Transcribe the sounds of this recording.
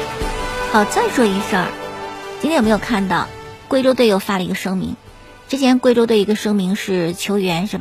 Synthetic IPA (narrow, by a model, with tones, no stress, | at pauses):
xɑ˨˩ʊt͡sa˥˩ɪʂwɔ˥i˧˥ʂə̰˥˧˩t͡ɕi˥nʰ˥jm˧˥˨kʰa˥˧nt̪ɑ˥˩ʊkwe˥˧ɪʈ͡ʂo˥ʊt̪wɪjo˥˩ʊfa˥˩lə˩i˧˥ɡə˧ʂɤ˥ŋmḭ˧˥ŋ | ʈ͡ʂɻ̩˥t͡ɕʰjɛ˧˥nkwe˥˧ɪʈ͡ʂo˥ʊt̪wɪi˧˥ɡə˧ʂɤ˥ŋmi˧˥ŋʂɻ̩˥˩t͡ɕʰjo˧˥ʊɥɛ˧˥nʂɻ̩˥˩